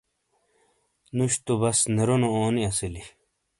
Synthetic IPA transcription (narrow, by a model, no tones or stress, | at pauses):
nuɕt̪obɐsneɾonooːniɐsili